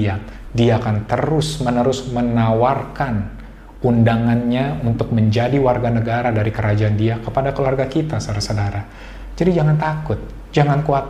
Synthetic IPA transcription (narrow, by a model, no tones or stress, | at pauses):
adiaːkant̪əɾʊsmənəɾʊsmənawarkan | undaŋanɲaunt̪ʊk̚məɲd͡ʒadiwarɡanəɡaɾadaɾikəɾad͡ʒaːndiakəpadakəluarɡakit̪asaɾasadaɾa | d͡ʒadid͡ʒaŋant̪akʊt̪̚ | d͡ʒaŋankuat̪̚